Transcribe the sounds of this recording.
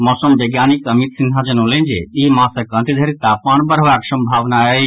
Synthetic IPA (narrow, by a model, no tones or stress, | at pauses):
mɔsəmbeɡjanikəmit̪sind̪ʱad͡ʒənəlend͡ʒḛiɦmãsəkə̃nt̪id̪ʱəɾit̪apmanbəɾʋaksəmbʱaʋnae